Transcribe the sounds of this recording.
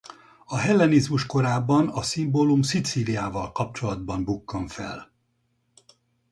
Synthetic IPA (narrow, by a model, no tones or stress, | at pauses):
ɒɦɛlːɛnizmuʃko̞ɾaːbːɒnɒsimboːlumsit̪siːlijaːvɒlkɒp̚t͡ʃo̞lɒd̪̚bɒmbukːɒɱfɛ̰l